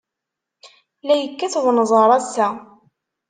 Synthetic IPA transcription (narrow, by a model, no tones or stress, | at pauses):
læjəkːæθwnzˤəɾˤɑsæ